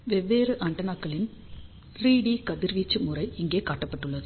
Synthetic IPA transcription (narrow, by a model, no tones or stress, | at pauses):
ʋɛʋːeːɾɯʔɐɳɖɐnaːkːɐɭɪn | riːɽiːkɐðɪɾʋiːt͡ʃːɯmʊrɐɪɪŋɡeːkaːʈːɐpːɐʈːɯɭːɐðɯ